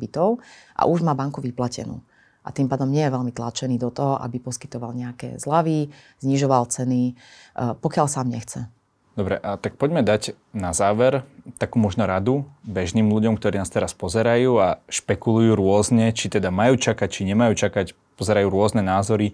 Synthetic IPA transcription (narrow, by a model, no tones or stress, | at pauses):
bit̪ɔʊʔa̰ʔuʒmaːbaŋkuʋiplacɛ̰nṵː | ʔa̰t̪impaːd̪ɔmɲɛjɛʋɛlmit̪lat͡ʃɛniːd̪ɔt̪ɔɦɔʔa̰bipɔskit̪ɔʋalɲɛakɛ̰zlaʋi | z̥ɲiʒɔʋalt͡sɛni | pɔkɪalsaːmɲɛxt͡sɛ | d̪ɔbɾɛʔat̪ak̚pɔɟmɛd̪ac | nazaːʋɛɾt̪akuːmɔʒnɔɾad̪ubɛʒniːmluɟɔmk̚t̪ɔɾiːnaːst̪ɛɾaspɔzɛɾajuːaʃpɛkulujuːɾʊɔzɲɛt͡ʃit̪ɛd̪amajuːt͡ʃakac̚t͡ʃiɲɛmajuːt͡ʃakac | pɔzɛɾajuːɾʊɔznɛnaːzɔɾi